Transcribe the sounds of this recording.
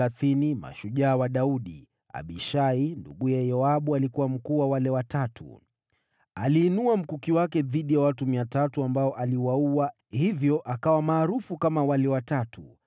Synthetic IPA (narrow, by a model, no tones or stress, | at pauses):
aθinima̰ʃuʄaːwaɗauɗḭ | a̰ɓiʃaindṵɠujɛjɔaɓualikuwam̩kuwawalɛwatatṵ | aliːnuam̩kukiwakɛðiɗijawatumiatatuambaɔʔaliwauwa | hivjɔʔakawamaːɾufukamawalɛwatatu